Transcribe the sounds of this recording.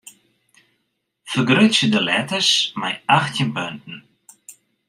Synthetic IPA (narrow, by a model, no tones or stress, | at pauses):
fəɡɾʏtsəd̪əlɛt̪əsmajaxt̪jənbœnt̪n̩